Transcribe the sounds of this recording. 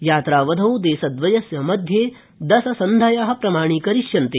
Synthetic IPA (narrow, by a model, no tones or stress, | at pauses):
jaːt̪ɾaːʋɐd̪ʱɐwd̪eːsɐd̪ʋɐjɐsjɐmɐd̪ʱjeː | d̪ɐsɐsɐnd̪ʱɐjaːɦɐ̆pɾɐmaːɳ̃iːkɐɾiʃjɐnt̪eː